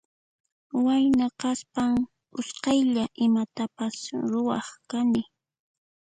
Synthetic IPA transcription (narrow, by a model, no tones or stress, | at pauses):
wajnaqɑspaŋ | ʊsqɑjʎaʔɪmat̪apasɾʊwɑχkanɪ